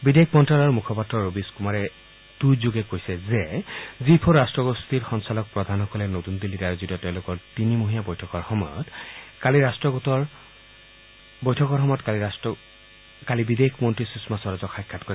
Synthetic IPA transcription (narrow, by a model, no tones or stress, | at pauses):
bidekʰmɔntɹalaɹumukʰɔpatɹɔɹobiskumaɹɛ | dujzuɡɛkojsɛzɛzipʰɔɹɹastɹɔɡostiɹxɔnsalɔk̚pɹɔdʱanxɔkɔlɛnotundilːitaɹozitɔtɛʊ̃lʊkɔɹtinimoɦijabɔjtʰɔkɔɹxɔmɔjɔtkaliɹastɹɔɡtɔɹ | bojtʰɔkɔɹxɔmɔjɔtkalis | kalibidekʰmɔntɹisismasɔɹɔzɔkxʰajkʰːatkɔɹɛ